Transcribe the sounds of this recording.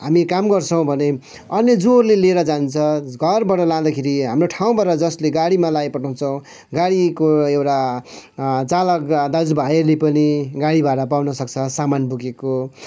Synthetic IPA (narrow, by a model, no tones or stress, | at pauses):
ɦamikamɡʌrt͡sʰʌw̃bʱʌne | ʌnjʌd͡zorleleɾʌd͡zant͡sʰʌɡʱʌrbʌʈʌlãd̪akʰeɾiɦamroʈʰaw̃baɾʌd͡zʌsleɡaɽimalajpʌʈʰaw̃t͡sʰʌw̃ | ɡaɽikoewʈa | t͡salʌkd̪ad͡zubʱajelepʌniɡaɽibaʈʌpawnʌsʌk̚t͡sʰʌsamanbukeko